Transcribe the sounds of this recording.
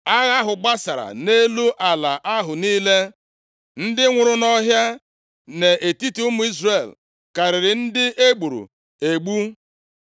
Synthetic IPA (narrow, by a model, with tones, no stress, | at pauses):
a˦ɣa˦ɦʊ˨ɡ͡ba˦sa˨ɾa̰˨ne˦lu˦ʔa˨la˨ʔa˦ɦʊ˨niː˦le˦ | n̩˦dɪ˦ŋʷʊ˨ɾʊ˦nɔ˦ɦja˦ | ne˨ʔe˨ti˦ti˦ʊ˦mʊ˨˦i˦zre˨l | ka˨ɾɪ˨ɾɪ˨n̩˦dɪ˦ʔe˦ɡ͡bu˨ɾṵ˨ | e˨ɡ͡bu˦